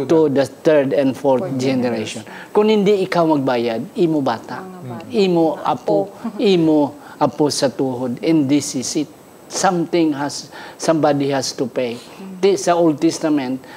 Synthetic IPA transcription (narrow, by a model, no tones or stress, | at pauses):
t̪ud̪ɐt̪ɛɹd̪ɛ̃nd̪fɔɹt̪̚d͡ʒɛnɛɾeʃɔnkʊŋhɪ̃nd̪ɪɪkawmɐɡ̚baːjad̪̚imobaːt̪aʔimoʔa̰poʔimo | ʔaposɐt̪uːɦod̪ɛ̃nd̪ɪsɪsɪt̪̚ | sãmt̪ɪ̃ŋɦasːãmbad̪ihast̪upej | t̪isɐold̪̚t̪ɛst̪amɛ̃nt̪̚